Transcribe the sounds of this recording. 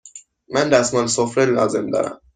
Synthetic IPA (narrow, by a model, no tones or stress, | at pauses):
mænd̪æsmɒːnesofɾelɒ̰ːze̞md̪ɒ̰ːɾæ̰m